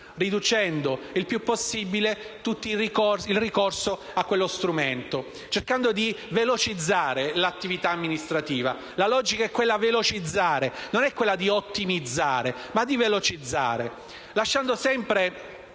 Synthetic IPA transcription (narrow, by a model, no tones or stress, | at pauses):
rid̪ut͡ʃɛnd̪oilpjupːosːibile | t̪ut̪ːirikorsilrikorso | akːwelːost̪ɾument̪o | t͡ʃerkand̪od̪ivelot͡ʃid̪zːaːɾelat̪ːivit̪aːmːinist̪ɾat̪iːva̰ | lalɔːd͡ʒikaɛkːwelːavelot͡ʃid̪zːaːɾenonɛkːwelːad̪iot̪ːimid̪zːaːɾemad̪ivelot͡ʃid̪zːa̰ːɾe | laʃːand̪osɛmpɾe